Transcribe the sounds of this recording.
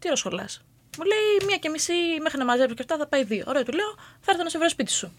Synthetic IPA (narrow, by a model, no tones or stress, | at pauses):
t̪iɾosxo̞lɐ̰s | mule̞imɲɐcemisime̞xɾinɐmɐzepsocɐft̪ɐθɐpɐiðio̰ʔoɾeot̪ule̞oθɐɾθɐnosvɾespit̪i̥su